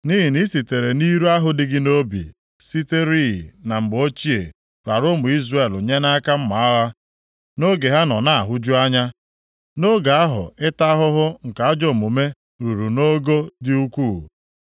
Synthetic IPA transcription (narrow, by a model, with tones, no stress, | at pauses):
ni˦ɦi˨ni˦si˨te˨ɾe˨ni˦ɾu˦a˦ɦʊ˨dɪ˦ɡɪ˦no˦bḭ˨ | si˦te˦ɾi˦ɦḭ˨na˨m̩˨ɡ͡bo˦t͡ʃi˦ḛ˨ | ɾa˨ɾʊ˦mʊ˨i˦zra˦˨e˨lo˨ɲe˦na˦ka˦m̩˦ma˨a˦ɣa˦ | no˦ɡe˨ɦa˦nɔ˨na˦a˨ɦʊ˦d͡ʒu˦a˦ɲa˦ | no˦ɡa˨a˦ɦʊ̰˨ɪ˦ta˦ɦʊ˦ɦʊ˦ŋ̩˨ka˨a˦d͡ʒo˨mu˨me˦ | ɾu˨ɾu˨no˦ɡo˦dɪ˦u˦kʷu˦˨